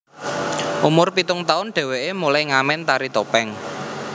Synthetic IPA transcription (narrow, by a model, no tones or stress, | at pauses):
ʔumʊrpit̪ʊŋt̪aʊnɖ̥ɛ̤weʔemulajŋamɛnt̪aɾit̪opɛŋ